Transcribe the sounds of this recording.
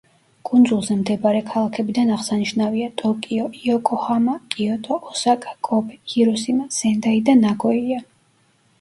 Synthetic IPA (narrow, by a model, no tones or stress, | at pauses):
kʼund̪zulˠzɛmd̪ɛbaɾɛkʰalˠakʰɛbid̪anaʁsaniʃnaviat̪ʼɔkʼiɔiɔkʼɔhamakʼiɔt̪ʼɔʔːsakʼḁkʼɔbʰɛhiɾɔsimaz̥ɛnd̪aid̪anaɡʼɔia